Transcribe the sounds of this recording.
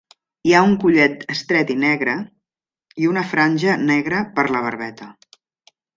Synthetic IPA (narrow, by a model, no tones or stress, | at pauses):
iauŋkuʎɛt̪əst̪ɾɛt̪inɛɣɾə | iunəfɾanʲʒənɛɣɾəpəɾləβ̞əɾβɛt̪ə